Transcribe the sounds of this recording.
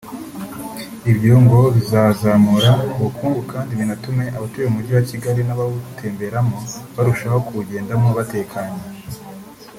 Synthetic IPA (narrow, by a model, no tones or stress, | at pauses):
ibjuːŋɡo̞βizaːzamuɾauβukuːŋɡukʰaːndiβinatume̞ʔaβatueumuɟiwaciɡaɾinaβawutʰe̞ːmbe̞ɾamoβaɾuʃaho̞kuuɟe̞ːndamoβate̞ːkʰaɲe